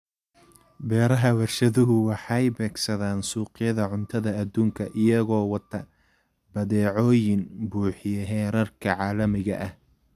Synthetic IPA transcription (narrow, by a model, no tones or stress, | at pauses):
bɛːɾɐɦɐwɐrʃɐðʊɦʊwɑħɑjbɛːɡsɐðaːnsuːqɪjɐðɐʕʊnt̪ʰɐðɐːd̪uːŋkʰɐʔɪjɐɣɔːwɑt̪ʰɐ | bɐðɛːʕɔːjɪnbuːħɪjɐɦɛːɾɐrkʰɐʕɑːlɐmɪɣɐʔɐh